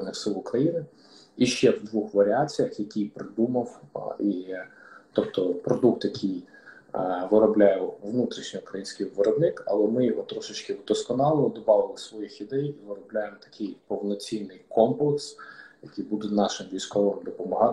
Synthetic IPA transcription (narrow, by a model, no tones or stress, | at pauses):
nɪfsɪlˠʊkɾɐjinɪ | iʃt͡ʃɛwd̪ʋuxʋɐɾʲɪɑt͡sʲijɐxjɐkʲijpɾɪd̪umɐwi | t̪ɔpt̪ɔpɾɔd̪ukt̪jɐkʰij | ʋɪɾɔblʲajɛʋnut̪ɾʲiʃnʲɔʊkɾɐjinʲsʲkɪjʋɪɾɔbnɪkɐ̰lˠɛmɪɔt̪ːɾɔʃɪt͡ʃkɪd̪ɔskɔnɑlˠɔd̪ɔbɑʋɪlˠɪsʋɔjixid̪ɛjiʋɪɾɔblʲajemt̪ɐ̥kʰɪjpɔwnɔt͡sʲijnɪjkɔmplˠeksjɐkijbud̪ɛnɑʃɪmʋʲijsʲkɔʋɪmd̪ɔpɔmɔɦɑ